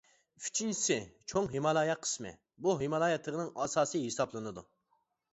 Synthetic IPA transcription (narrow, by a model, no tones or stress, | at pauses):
y̥t͡ʃʰint͡ʃʰi̥sɪt͡ʃʰoŋɦemɑlˠɑːjɛqʰːə̥smɪ̰ | buɦemɑlˠɑːjɛt̪ʰlˠəʁnɨŋɑːsɑːsɨɦesɑplˠɨnɨd̪u